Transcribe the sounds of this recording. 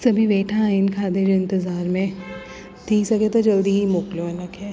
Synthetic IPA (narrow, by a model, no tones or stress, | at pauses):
sɐbʱiʋeːʈʰãɪnkʰaːd̪ed͡ʒoɪ̃nt̪ɪzaːɾmẽ | t̪iːsɐket̪od͡ʒɐld̪iɦimʊːkljoɐnɐkɛː